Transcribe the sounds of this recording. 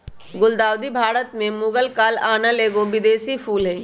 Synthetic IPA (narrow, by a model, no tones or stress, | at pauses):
ɡʊld̪aːwd̪ibʱaːɾət̪mẽmʊːɡəlkaːlaːnaleːɡoʋɪd̪eːsipʰuːlɦɛ